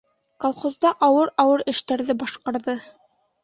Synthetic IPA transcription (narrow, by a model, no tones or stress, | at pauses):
kolˠχozd̪ɑʔɑwɤɾɑwɤɾɘ̆ʃt̪æɾðɘbɑʃqɑɾðɤ